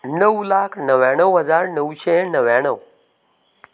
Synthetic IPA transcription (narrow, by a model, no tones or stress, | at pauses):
nəwlakʰnəʋjãɳ̃əwɦəd͡zaɾnəwɕenəʋjãɳ̃əw